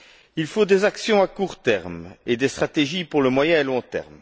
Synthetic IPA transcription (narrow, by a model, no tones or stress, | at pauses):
ilfod̪ezaksjɔ̃akuʁt̪ɛʁmed̪est̪χat̪eʒipuʁləmwajɛ̃elɔ̃t̪ɛ̰ʁm